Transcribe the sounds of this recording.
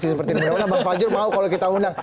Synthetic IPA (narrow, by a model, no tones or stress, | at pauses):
sisəpərt̪inəminmanabaŋfad͡ʒʊrmaukalokit̪aundaŋ